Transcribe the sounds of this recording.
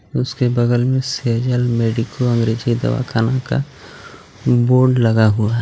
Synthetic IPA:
ʊskebɐɡəlmẽsed͡ʒəlmeːɖɪkoɐ̃ŋɡɾeːd͡ʒid̪ɐ̰ʋa̰kʰaːnaka̰ | boːɾɖlɐɡaɦuaɦɛ

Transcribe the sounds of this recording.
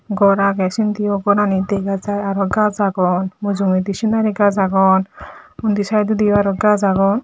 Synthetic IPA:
ɡɔɾaɡɛsind̪ijɔɡɔɾanid̪ɛɡad͡zajaɾɔɡad͡zaɡɔnmuzumid̪iʃinaɾiɡazaɡɔnund̪isad̪ud̪ijɔaɾɔɡazaɡɔn

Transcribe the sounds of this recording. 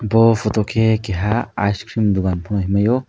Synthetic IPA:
bɔpʰɔtɔkʰekeɦa̰ːjskʰɾimd̪uɡanpʰɔñɔɦimajɔ

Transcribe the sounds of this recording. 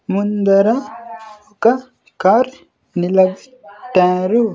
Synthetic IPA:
mund̪ɐɾɐ | okɐ | kaɾ | nilɐbi | ʈːɛːɾu

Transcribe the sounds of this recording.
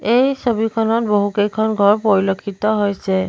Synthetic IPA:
ejsobikʰɔnɔt̚boɦukejkʰɔnɡʱɔɹpɔɹilokʰitɔɦojsɛ

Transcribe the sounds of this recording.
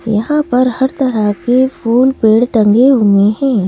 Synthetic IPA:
jɐɦãpɐɾhɐɾt̪ɐɾəkefuːlpeːɽʈɐ̃ŋɡeɦueɦɛ̃ː

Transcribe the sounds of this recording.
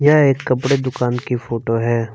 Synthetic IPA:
jaeːkːɐpɽed̪ʊkaːnkifʰoːʈoɦɛː

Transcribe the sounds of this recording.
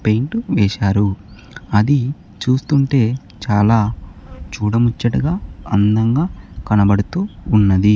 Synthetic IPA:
pe̞jɳʈuʋɛːʃaːɾu | ɐd̪i | t͡ʃuːst̪uɳʈe̞ː | t͡ʃaːlaːt͡ʃuːɽɐmut͡ʃːɐʈɐɡaːɐnd̪ɐŋɡaːkɐnɐbɐɽut̪uːnːɐd̪i

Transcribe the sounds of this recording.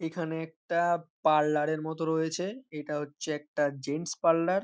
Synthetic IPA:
ekʰaneɛk̚ʈapalːaɾeɾmɔt̪oɾojet͡ɕʰeeʈaɦotːɕʰeɛk̚ʈad͡ʑenspalːaɾ

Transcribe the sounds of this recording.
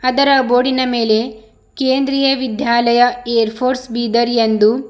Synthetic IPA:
ɐd̪ɐɾɐbo̞ːɽinɐme̞ːle̞ | keːnd̪ɾijɐʋid̪ʱjaːlɐjɐejɐɾpʰoːɾsbiːd̪ɐɾijend̪u

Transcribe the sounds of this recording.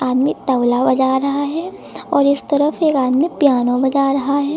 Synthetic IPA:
aːd̪mit̪ɐʊlabɐd͡ʒaːɾɐɦaɦɛː | ɔːɾɪst̪ɐɾəfeːkaːd̪mipjaːnobɐd͡ʒaːɾɐɦaɦɛː

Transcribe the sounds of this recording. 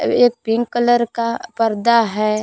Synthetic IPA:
eːk̚pɪ̃ŋɡkələɾkapəɾd̪aɦɛː

